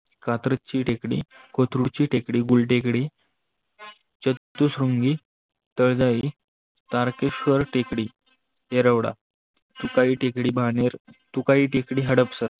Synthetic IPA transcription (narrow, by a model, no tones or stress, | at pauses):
kat̪ɾət͡ɕiːʈekɽḭkot̪ʰɾuɽt͡ɕiːʈekɽiːɡulʈekɽi | t͡ɕət̪ːusɾuŋɡi | t̪əɭd͡zai | t̪aɾkekɕʋəɾʈekɽiː | eɾəʋɽa̰ | t̪ukaiːʈekɽiːbʱaneɾt̪ukaiʈekɽiːɦəɽəpsət̪